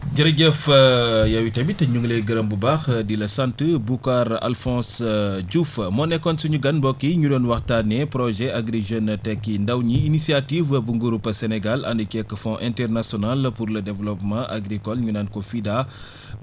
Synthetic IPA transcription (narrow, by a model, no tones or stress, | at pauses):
ɟɐɾɐɟəfəjɐwitɐbitɐɲuŋɡleɡəɾɐmbubaxdilɐsantəbukaɾa̰lfɔ̃ːsɟufmɔnɛkːɔnsuɲuɡɐnbɔkːiɲudɔnwɐxtanɛpɾɔʒɛaɡɾiʒəntɛkːindɐwɲiːnisiativbuŋɡuɾupːɐsɛnɛɡalɐ̰ndəkɛkːəfɔ̃ʔɛ̃ntɛrnasjɔnalpuɾlədɛvlɔpmãʔaɡɾikɔlɲunankɔfida